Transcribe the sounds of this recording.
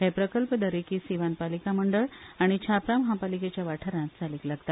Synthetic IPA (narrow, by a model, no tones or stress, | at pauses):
ɦepɾəkəlpəd̪əɾekiːsiʋanpalikaməɳɖəɭaɽ̃it͡ɕʰapɾaməɦapaliket͡ɕjaʋaʈʰəɾãt̪t͡saliːklaɡt̪at̪